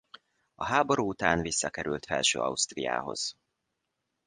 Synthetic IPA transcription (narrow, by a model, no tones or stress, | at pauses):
ɒɦaːbo̞ɾuːut̪aːnvisːɒkɛɾylt̪fɛlʃøːɒ̰ust̪rija̰ːɦo̞̰z̥